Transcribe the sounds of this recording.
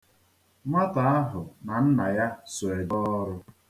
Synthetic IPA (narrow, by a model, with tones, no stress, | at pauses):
ma˦ta˨a˦ɦʊ˨na˨n̩˦na˨ja˦so˨e˨dɔ˦ɾʊ˦